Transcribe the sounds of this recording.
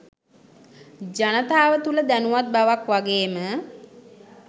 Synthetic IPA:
d͡ʒanət̪aːʋət̪uləd̪ænuʋat̪̚baʋakʋaɡeːmə

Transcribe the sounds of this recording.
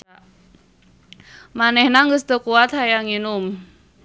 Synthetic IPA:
manɛhnaŋɡəsd̪̥ə̤kuat̪̚hajaŋinʊm

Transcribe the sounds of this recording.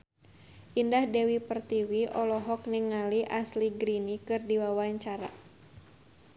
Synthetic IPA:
ʔindahdɛwipərt̪iwiʔɔlɔɦɔk̚niŋaliʔasliɡɾinikɨrdiwawaɲt͡ʃaɾa

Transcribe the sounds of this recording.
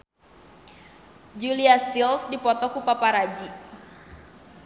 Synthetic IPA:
d͡ʒuliast̪ilsdipɔt̪ɔkupapaɾad͡ʒi

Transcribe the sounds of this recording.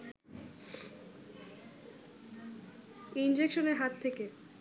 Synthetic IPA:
ind͡ʑekʃoneɾɦat̪ʰːeke

